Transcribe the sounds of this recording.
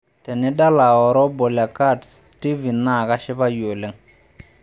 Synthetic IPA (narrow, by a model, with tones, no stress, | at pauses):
tɛ˨nɛ˦da˦la˨ɔ˨ɾɔ˦bɔ˨la˨ka˦ds | ti˦vi˨na˨ka˦ʃɪ˦ba˦jo˨le˨˦ŋ